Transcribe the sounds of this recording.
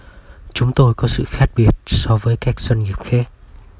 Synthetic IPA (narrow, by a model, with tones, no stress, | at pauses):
t͡ɕʊ˨˦ŋ͡mt̪o˧jkɔ˨˦sɨ̰˧˨xaː˦˥k̚ɓi˨˩ət̚sɔ˧vəː˨˦jkaː˦˥k̚z̥wə˧nŋi˨˩əp̚xaː˦˥k̚